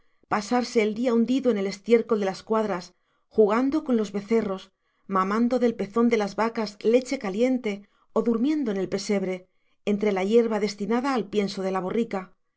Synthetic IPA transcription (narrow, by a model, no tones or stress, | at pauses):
pasaɾse̞ːld̪iaund̪iðoene̞le̞st̪je̞ɾko̞ld̪e̞laskwaðɾas | xuɣand̪o̞ko̞nlo̞zβe̞θe̞ro̞s | mamãnd̪o̞ðe̞lpe̞θo̞nd̪e̞lazβakazle̞t͡ʃe̞kalje̞nt̪e̞ | o̞ðuɾmjẽ̞nd̪o̞ene̞lpe̞se̞βɾe̞ː | nt̪ɾe̞laʝe̞ɾβaðe̞st̪inaðaːlpje̞nso̞ð̞e̞laβ̞o̞rika